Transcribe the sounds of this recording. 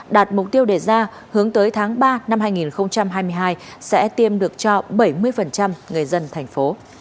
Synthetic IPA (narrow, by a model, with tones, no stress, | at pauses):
ɗaː˨˩t̚mʊ˨˩k͡p̚t̪i˧əwɗe˧˩zaː˧ | hɨ˨˦əŋt̪əː˨˦jt̪ʰaː˨˦ŋɓaː˧na˧mhaː˧jŋi˨˩nxə˧wŋ͡mt͡ɕa˧mhɦaː˧jm˧əjɦaː˧jsɛ̰˧˥t̪i˧əmɗɨ˨˩ək̚t͡ɕɔ˧ɓə˧˩jmɨ˧əjfə˨˩nt͡ɕa˧mŋɨ˨˩əjzə˧nt̪ʰɛ˨˩jŋ̟fo˨˦